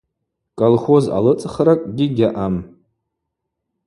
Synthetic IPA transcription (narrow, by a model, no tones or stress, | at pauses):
kʼolχoza̰lɨt͡sʼχɾakʼɡʲiɡʲaʔam